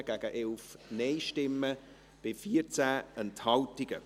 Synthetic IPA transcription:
ɡ̥æɡ̥əʔɛlfneɪʃtɪmːə | b̥ɪfiːəɾt͡sæːʔənthɑltɪɡ̥ə

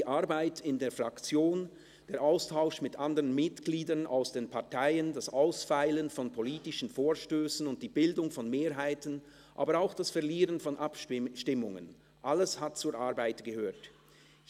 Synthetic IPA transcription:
diːʔaɾbaɪtɪndeːɐfʁakt͡sjoːn | d̥eːɾʔaʊstʰaʊʃmɪtʔandəʁənmɪtɡ̥liːdɐna̰ʊsd̥eːnpʰaʁtʰaɪəndasʔaʊsfaɪlənfɔnpʰoliːtɪʃn̩foːɐʃtøːsn̩ʊnt̚d̥iːbɪldʊŋfɔnmeːɾɦaɪtən̩ | ʔaːbəɾaʊxd̥asfɛɐliːʁənfɔnʔapʃʃtɪmʊŋə̰n | ʔaləshat̚t͡suːɾʔaʁbaɪtɡ̥əhøːɐt

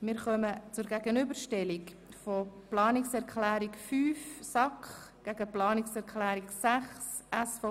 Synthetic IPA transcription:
mɪɾχœmət͡sʊɾɡæɡənʏbəɾʃtɛlik | foplɑːnɪksɛɾʁkʰlæːɾikfyːfsɑkχɡ̥æɡəplɑːnɪksɛɾkʰlæːɾiksæχs | ʔæsfɔ

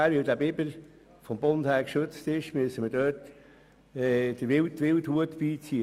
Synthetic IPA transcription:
æːɾʋɪldæːbɪbəɾ | fɔmbondhæːɾkʃøt͡stɪʃmyəsəmədœːt | ɛd̥əʋɪltʋɪlthuətpiːt͡si

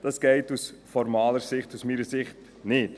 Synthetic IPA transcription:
d̥ɑsɡ̥ɛɪtusfɔɾmɑːləɾsɪχtusmiːɾəsɪχt | nɪt

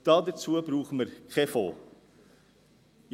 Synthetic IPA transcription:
d̥ɑːdət͡suəbɾuːχəməɾχefo̰ː | j

